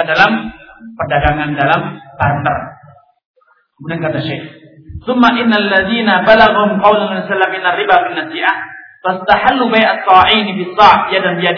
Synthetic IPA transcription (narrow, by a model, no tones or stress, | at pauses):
adalampərdaɡaŋandalambaɾanta̰r | mudankat̪aʃex | θʊmːaʔɪnːaalːaðiːnabalaɣahʊmqɑwlanasalːamʔɪnːarːibafinːasiʔahfast̪aħalːubajʔasˤːɑʕiːnfisˤːɑːʕjadanbijad